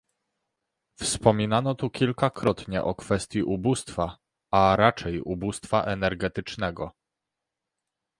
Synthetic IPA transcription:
fspɔmʲinanɔt̪ukʲilkakɾɔt̪ɲɛʔɔkfɛst̪ʲjiʔubust̪fa | aɾat͡ʂɛjubust̪faʔɛnɛɾɡɛt̪ɘt͡ʂnɛɡɔ

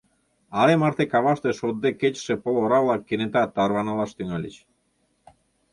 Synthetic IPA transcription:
ɑlemɑrt̪ekɑβɑʃt̪eʃod̪ːeket͡ɕʃepoloɾɑβlˠɑkːenet̪ɑt̪ːɑrβɑnɑlˠɑʃt̪yŋɑlʲet͡ɕ

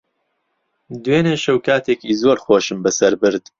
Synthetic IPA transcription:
d̪weːneʃɐwkaːt̪ʰeːkiːzoɾxoːʃɨmbɐsɐɾbɨɾd̪

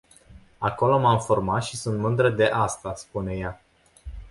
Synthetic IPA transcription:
ako̞lo̞mamformat̪ʃisunt̪mɨnd̪ɾəd̪e̞ʔast̪aspune̞ja

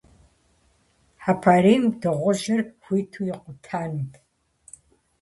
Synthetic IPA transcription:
ħapʰaːriːmdɨʁʷʊʒɐrxʷiːtʰuːjɪqʷʊtʰaːnɨpʰ

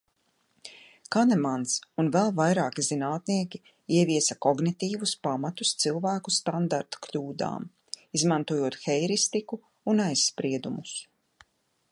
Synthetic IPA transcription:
kanɛmansunvɛlˠvajɾaːkizinaːt̪niɛkʲi | iɛviɛsɐkɔɡnit̪iːvuspamat̪u̥st̪silˠvæːkust̪and̪aɾt̪kʎʲuːd̪a̰ːm | izmant̪uɔjuɔt̪xɛjɾist̪ikuː | najsːpɾiɛd̪umus

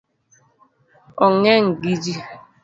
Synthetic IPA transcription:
ɔŋeŋ̩ɡid͡ʒi

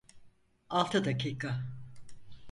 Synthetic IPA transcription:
alˠt̪ʰad̪acʰiːka

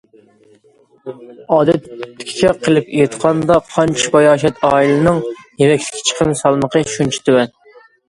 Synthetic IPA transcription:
ɑːd̪ɛt̪ːɪ̥kʲʰi̥kʲɛqʰəlˠɪpt̪qʰɑnd̪ɑqʰɑnt͡ʃʰi̥bɑjɑːʃ̬ɛt̪ɑːilɨnɨŋjemɛkʲt̪ʰɪ̥kʲʰi̥t͡ʃʰə̥qʰəmsɑlˠməqʰəʃunt͡ʃʰi̥t̪ʰywɛn

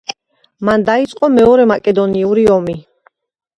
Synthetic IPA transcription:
mand̪ait̪sʼqʼɔmɛɔɾɛmakʼɛd̪ɔniuɾiɔmi

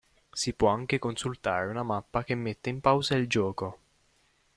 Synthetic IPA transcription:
sipwɔaŋk̟ekonsult̪a̰ːɾeunamapːak̟emːet̪ːeimpawzaild͡ʒɔːko

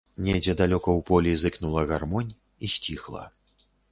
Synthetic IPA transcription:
nʲɛd͡zʲɛd̪alʲɔkɐwpɔlʲizɨknulˠɐɣarmɔnʲ | isʲt͡sʲixlˠɐ̰

